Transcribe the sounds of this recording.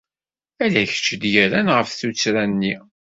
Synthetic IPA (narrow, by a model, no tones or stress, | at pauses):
ælæçə̥t͡ʃːd̪jæɾænʁəfθut͡sːɾænːi